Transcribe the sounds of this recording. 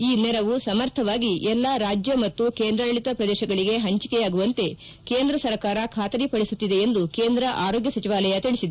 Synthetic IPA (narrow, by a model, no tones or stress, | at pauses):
iːnɛɾɐʋusɐmɐɾt̪ʰɐʋaːɡiʔɛlːaɾaːd͡ʒjɐmɐt̪ːukeːnd̪ɾɐlɐɭit̪ɐpɾɐd̪ɛːʃɐɡɐɭiɡe̞ɦɐɲt͡ʃikɛjaːɡuʋɐnt̪e̞ | keːnd̪ɾɐsɐɾkaːɾɐkʰaːt̪ɐɾipɐɽisut̪ːid̪e̞ːnd̪ukeːnd̪ɾɐʔaːɾo̞ːɡjɐsɐt͡ʃiʋaːlɐjɐt̪iɭisid̪e